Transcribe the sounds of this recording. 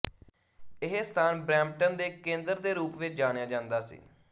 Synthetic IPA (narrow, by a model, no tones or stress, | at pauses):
ɪɦest̪ʰaːnbɾɛ̃ːmʈənd̪eːkẽːnd̪əɾd̪eːɾuːpʋɪt͡ʃd͡ʒaːɽ̃jaːd͡ʒãːnd̪aːsḭː